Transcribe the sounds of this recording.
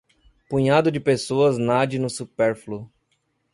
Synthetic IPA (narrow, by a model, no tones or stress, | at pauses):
pũɲad̪ʊd͡ʒɪpesoɐznad͡ʒɪnʊsupɛɾflu